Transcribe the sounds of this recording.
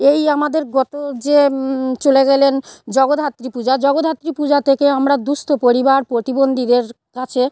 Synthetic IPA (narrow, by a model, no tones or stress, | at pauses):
ejamad̪eɾɡɔt̪od͡ʑet͡ɕoleɡɛlend͡ʑɔɡod̪ʱɦat̪ːɾipud͡ʑad͡ʑɔɡod̪ʱɦat̪ːɾipud͡ʑat̪ʰekeamɾad̪ust̪ʰopoɾibaɾpɾot̪ibond̪ʱid̪eɾ | kat͡ɕʰe